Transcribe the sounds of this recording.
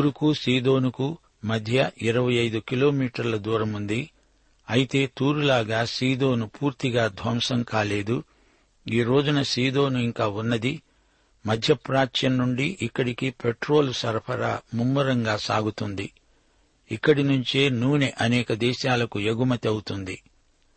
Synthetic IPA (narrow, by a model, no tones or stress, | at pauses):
ɾukusiːd̪o̞ːnuku | mɐd̪ʱjɐʔiɾɐʋɐjɐjd̪ukilo̞ːmiːʈɐɾlɐd̪uːɾɐmund̪i | ɐjit̪e̞ːt̪uːɾulaːɡaːsiːd̪o̞ːnupuːɾt̪iɡaːd̪ʱʋɐmsɐŋkaːle̞ːd̪u | iːɾo̞ːd͡ʒunɐsiːd̪o̞ːnuiŋkaːunːɐd̪i | mɐd̪ʱjɐpɾaːt͡ʃjɐnːuɳɖiʔikːɐɽikipeʈɾo̞ːlusɐɾpʰɐɾɐ̰mumːɐɾɐŋɡaːsaːɡut̪und̪i | ikːɐɽinuɲt͡ʃe̞ːnuːneʔɐnɛːkɐd̪ɛːʃaːlɐkueɡumɐt̪iɐwut̪und̪i